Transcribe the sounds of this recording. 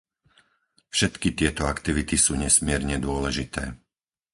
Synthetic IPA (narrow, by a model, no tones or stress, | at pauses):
fʃɛt̪kit̪ɪɛt̪ɔakt̪iʋit̪isuːɲɛsmɪɛɾɲɛd̪ʊɔlɛʒit̪ʰɛ̰ː